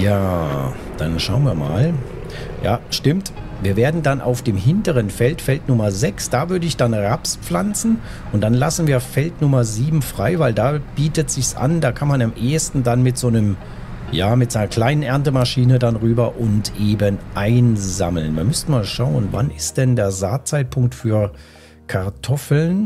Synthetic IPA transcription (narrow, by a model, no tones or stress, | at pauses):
jaː | d̥a̰nʃaʊənviːɐma̰ːl | ja̰ːʃtɪmtviːɐveːɐdn̩danʔa̰ʊfd̥eːmɦɪntəʁənfɛltfɛltnʊmɐzɛksd̥aːvʏɐdəɪçd̥anʁapspflant͡sn̩ | ʔʊntd̥anlasn̩viːɐfɛltnʊmɐziːbm̩fʁ̥aɪvaɪldaːb̥iːtətz̥ɪçsʔa̰ndaːkʰanmanamʔeːɐstn̩danmɪtz̥oːnəm | jaːmɪtz̥aɪnɐkl̥aɪnənʔɛɐntəmaʃiːnədanʁyːbɐʔʊntʔeːbənʔaɪnza̰ml̩nviːɐmʏsn̩maːlʃaʊənva̰nɪst̚d̥ɛndeːɐzaːt͡saɪt̚pʰʊŋk̚tfyːɐ | kʰaɐtʰɔfl̩n